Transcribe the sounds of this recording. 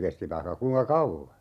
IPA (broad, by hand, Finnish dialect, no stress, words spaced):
kesti ʋɑihkɑ kuiŋkɑ kɑuʋːɑ